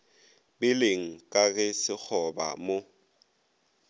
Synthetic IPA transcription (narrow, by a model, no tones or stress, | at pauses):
bɪleŋ̩kʼaɣɪsɪk͡xʰɔba̰mo